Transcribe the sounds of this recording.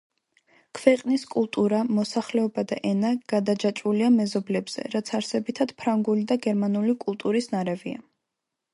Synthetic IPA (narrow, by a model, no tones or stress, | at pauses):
kʰvɛqʼniskʼulˠt̪ʼuɾamɔsaχlɛɔbad̪aʔɛnaɡ̥ad̪ad͡ʒat͡ʃʼuliamɛzɔblɛbz̥ɛ̰ɾat̪sʰaɾsɛbit̪ʰad̪̥pʰɾaŋɡulid̪aɡɛɾmanulikʼulˠt̪ʼuɾisnaɾɛvia̰